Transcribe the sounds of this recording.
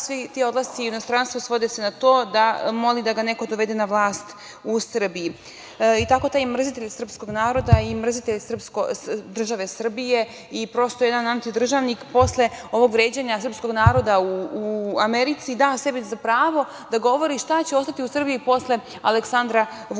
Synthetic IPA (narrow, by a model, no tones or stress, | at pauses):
sʋit̪io̞d̪lasiinost̪ɾanst̪ʋosʋo̞d̪esenat̪o̞ːd̪amo̞lid̪aɡane̞ko̞d̪o̞ʋe̞d̪enaʋlˠaːst̪ | usr̩biji | it̪ako̞t̪aːjmr̩zit̪e̞ʎsr̩psko̞ɡnaːɾo̞d̪aimr̩zit̪eʎsr̩pskod̪r̩ʒaʋe̞sr̩bije̞ | ipɾo̞st̪ojed̪anant̪id̪r̩ʒaʋnikpo̞sle̞o̞ʋo̞ɡʋɾe̞ːd͡ʑeɲasrpsko̞ɡnaːɾo̞d̪auuameɾit̪sid̪ase̞bizapɾaːʋo̞ | d̪aɡo̞ʋo̞ɾiʃt̪at͡ɕe̞o̞st̪at̪iusr̩bijipo̞slˠe̞ | aleksand̪ɾa